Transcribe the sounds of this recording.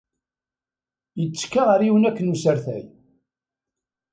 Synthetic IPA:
jət͡sːkːaʁəɾiwənækːənusəɾθæ̰j

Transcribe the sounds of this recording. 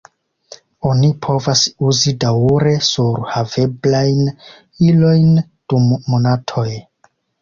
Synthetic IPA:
o̞nipʰo̞vasuzidauɾe̞suɾhave̞blajn | ilo̞jn | d̥umːo̞natʰo̞j

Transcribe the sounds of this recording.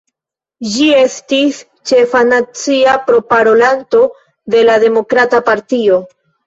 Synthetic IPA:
d͡ʒie̞stis | t͡ʃe̞fanat͡siapɾo̞paɾo̞lanto̞ | de̞lade̞mo̞kɾatapaɾtio̞

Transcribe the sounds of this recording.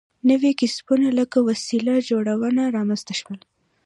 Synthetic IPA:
nəwekɪsbunaləkawasilad͡ʒoɽawənaɾɑmənzt̪aʃwəl

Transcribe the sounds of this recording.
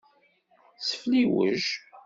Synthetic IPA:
sə̥fliwə̰ʒ

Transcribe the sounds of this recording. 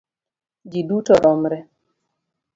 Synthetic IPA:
d͡ʒidutɔɾɔmɾɛ

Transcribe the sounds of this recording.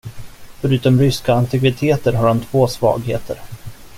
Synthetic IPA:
fœɾʉ̟ːt̪ɔmɾʏskaant̪ɪɡvɪt̪ʰeːt̪əɾɦaɾhant̪ʰvoːsvɑ̰ːɡhḛːt̪ʰə̰ɾ

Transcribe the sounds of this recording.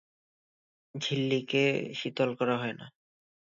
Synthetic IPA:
d͡ʑʱilːikeʃit̪olkɔɾaɦɔena̰

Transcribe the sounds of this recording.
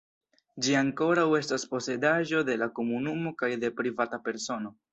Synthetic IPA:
d͡ʒiaŋko̞ɾawe̞staspo̞se̞daʒo̞de̞lako̞munumo̞kajde̞pɾivatape̞ɾso̞no̞

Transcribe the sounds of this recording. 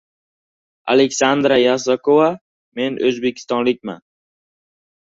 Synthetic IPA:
a̰lekʲsand̪ɾajas̬akʰova | me̞nʔɵzbe̞kʲʰɪ̥st̪ɒnlɪk̚ʲma̰n

